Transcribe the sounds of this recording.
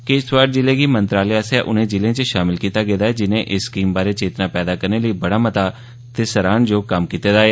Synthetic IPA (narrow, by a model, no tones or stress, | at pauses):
kɪɪsʋaːɾd͡ʒɪleːɡiːmənt̪ɾaːleːaːsaːʔʊnẽːd͡ʒɪlẽːt͡ʃəʃaːmɪlkiːt̪aːɡeːd̪aːɛːd͡ʒɪnẽːʔɪsːkiːmbaːɾeːt͡ʃeːt̪nãːpɛːd̪aːkəɾneːləiːbəɽaːmət̪aː | t̪eːsəɾaːnd͡ʒoːkəmkiːt̪eːd̪aːeː